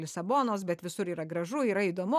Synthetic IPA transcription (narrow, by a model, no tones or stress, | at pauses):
lʲɪsɐboːnoːsbʲɛt̪ʋʲɪsʊɾiːɾɐɡɾɐʒʊiːɾɐiːd̪oːmʊ